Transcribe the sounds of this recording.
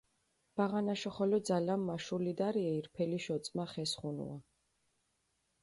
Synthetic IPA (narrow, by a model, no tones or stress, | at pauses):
b̥aʁanaʃɔχɔlɔd̪zalamːaʃulid̪aɾiaiɾpʰɛliʃɔt̪sʼmaχɛsχunṵa